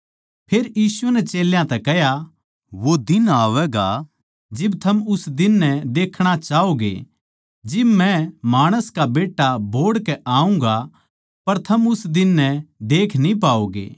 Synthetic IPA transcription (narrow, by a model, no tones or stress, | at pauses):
pʰeːɾjiːsunɛt͡ʃeːljãt̪ɛkɛɦja | ʋod̪ɪnaːʋɛɡa̰ | d͡ʒɪbt̪ʰɐmʊsd̪ɪnːɛd̪eːkʰɽ̃at͡ʃaːoːɡḛ | d͡ʒɪbmɛ̃maːɽ̃əskabeːʈːabʱoːɽkɛʔaːũŋɡa | pɐɾt̪ʰɐmʊsd̪ɪnːɛd̪eːkʰnĩp̬aːoːɡḛː